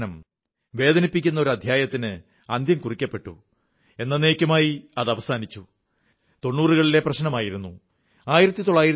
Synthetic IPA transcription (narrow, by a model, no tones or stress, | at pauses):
nɐm | ʋe̞ːd̪ɐnipːikʲːunːɐo̞ɾuɐd̪ʱjaːjɐt̪ːinɨ | ɐnd̪jɐmkurikʲːɐpːe̞ʈːṵ | e̞nːɐneːkʲːɐmaːjiɐðɐʋɐsaːnit͡ɕːu | t̪o̞nːuːrɨɣɐɭile̞prɐɕnɐmaːjiɾunːu | aːjiɾɐt̪ːit̪o̞ɭːaːjiɾɐ